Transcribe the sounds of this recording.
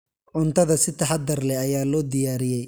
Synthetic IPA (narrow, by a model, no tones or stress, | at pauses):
ʕʊnt̪ʰɐðɐsɪt̪ʰɐħɑd̪ɐrlɛɐjaːlɔːd̪ɪjaːɾɪjɛj